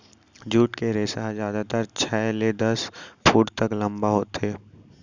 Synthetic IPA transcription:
d͡ʒuːʈkeɾeːsaɦzjaːd̪at̪əɾt͡ʃʰɛːled̪ɐsfʰuːʈt̪əklɐ̃mbaɦoːt̪eː

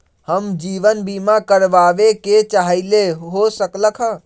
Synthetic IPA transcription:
həmd͡ʒiːʋənbimakəɾʋaʋeket͡ʃaɦəɪleɦosəkləkʰɦə

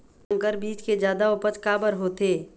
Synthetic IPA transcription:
əŋkəɾbiːt͡ʃked͡ʒjaːd̪aʊpət͡ʃkaːbəɾɦoːt̪eː

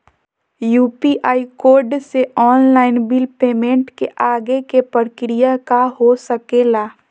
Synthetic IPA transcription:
juːpiʔaːikoːɾɖseʔɔːnlaːɪnbɪlpeːmẽːɳʈkeʔaːɡekepəkɾijakaɦosəkelaː

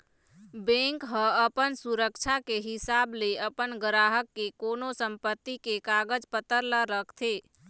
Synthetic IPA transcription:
bɛ̃ŋkɦə̃əpənsuɾəkt͡ʃʰakeɦɪsaːbleəpənɡɾaːɦəkːekoːnosəmpət̪ːikekaːɡəd͡ʒpət̪əɾlaɾəkʰt̪ʰe

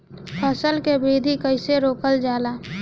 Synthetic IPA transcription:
pʰəsəlkebɾiːd̪ʱikəɪseɾoːkəld͡ʒaːlaː

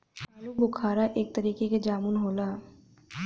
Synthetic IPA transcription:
aːlubʊkʰaːɾaʔeːk̚t̪ɐɾiːkeked͡ʒaːmunɦoːlaː

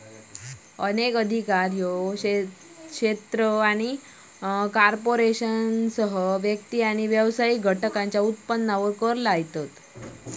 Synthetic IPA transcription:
ənekəd̪ʱikaɾjo | kʂet̪ɾəaɽ̃i | kaɾpoɾeɕənsəɦəʋjək̚t̪iːaɽ̃iʋjəʋsaiɡʱəʈkaɲt͡ɕjaut̪̚pənːaʋəɾkəɾlajt̪ət̪

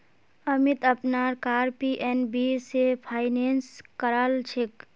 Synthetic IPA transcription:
əmit̪əpnaɾkaɾpiʔenbisepʰajnenskəɾalt͡ʃʰek

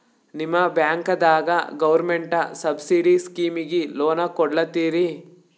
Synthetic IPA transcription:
nimːɐbjaːŋkɐd̪aːɡɐ̰ɡɐʋɐɾmeɳʈɐsɐbsiɖiskiːmiɡeloːnɐkɔɽːɐt̪ːiːɾi

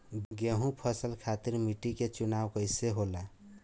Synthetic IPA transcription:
bɡeɦũpʰəsəlkʰat̪iɾmiʈiket͡ʃunawkəɪseɦola

